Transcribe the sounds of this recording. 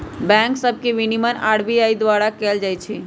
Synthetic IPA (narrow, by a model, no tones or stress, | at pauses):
bɛ̃ksəb̚ʱkeʋinimənaɽbiaid̪waɽakɛld͡ʒajt͡ʃʰi